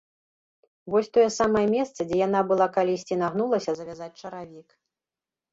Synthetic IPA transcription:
vɔsʲt̪ɔjɛsamɐjɛmʲɛst̪sɐd͡zʲɛjan̪abɨlˠakalʲisʲt͡sʲinaɣnulˠɐsʲɐzɐvʲazat͡sʲt͡ʂɐɾavʲik

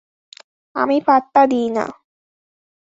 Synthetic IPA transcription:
ɐ̰mipɐt̪ːɐd̪iːna̰

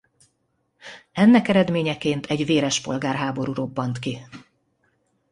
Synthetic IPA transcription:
ɛnːɛkɛɾɛd̪meːɲɛkeːnt̪ʰɛɟveːɾɛʃpo̞̰lɡaːrɦaːbo̞ɾuɾo̞bːɒnt̪ki

